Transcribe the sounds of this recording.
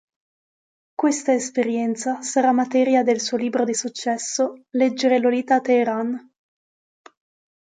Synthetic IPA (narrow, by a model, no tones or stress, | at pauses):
kwest̪aespeɾjɛnt̪sasaɾamːat̪ɛːɾjad̪elsuoliːbɾod̪isut͡ʃːɛsːolɛd͡ʒːeɾeloliːt̪at̪eːɾan